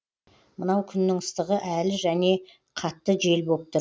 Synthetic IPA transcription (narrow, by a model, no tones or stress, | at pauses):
mənɑwkʲʰʏnːɪŋəst̪əʁəʔælɪʒæne̞ | qʰɑt̪ːəʒe̞lbo̞p̚t̪ə